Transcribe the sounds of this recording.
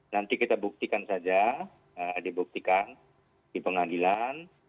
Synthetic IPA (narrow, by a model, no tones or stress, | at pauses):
nant̪ikit̪abuk̚t̪ikansad͡ʒa | ədibuk̚t̪ikan | dipəŋadilan